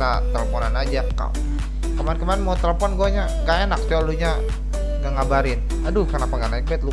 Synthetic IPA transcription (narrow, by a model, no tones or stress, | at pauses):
at̪ələpɔnanad͡ʒaka̰w | kəmaɛnkəmaɛnmot̪ələpɔnɡuaɲa | ɡajenak̚sauluɲa | ɡaŋabaɾɪn | adukərnapaŋɡanaik̚bɛt̪̚lu